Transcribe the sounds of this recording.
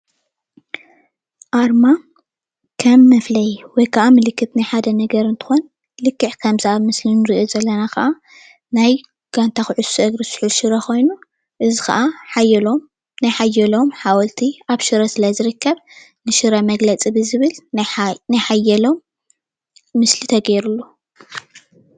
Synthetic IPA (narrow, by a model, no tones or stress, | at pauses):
ʔaɾma | kʰɐmːɐflɐjwɔjkʰaʔamɨlɨkːɨt̪najħad̪ɐnɐɡɐɾɨnt̪ʰɨ̥xo̞n | lɨkːɨʕkʰɐmziʔaβmɨslinɨɾiʔozɐlːɐnakɐʔa | naj | ɡ̥ant̪ʰaxɨʕʊsːuʔɨɡɾɨsɨ̥ħulʃɨɾɐkʰo̞jnu | ʔɨzixɐ̰ʔaħajɛlom | najħajːɛlo̞mħawɐlt̪ʰiaβʃɨɾɐsɨlajzɨɾɨkʰːɐβ | nɨʃɨɾɐmɐɡlɐt͡sʼibɨzɨβɨlnajħajɛlom | ɨslit̪ʰɐɡeɾulːu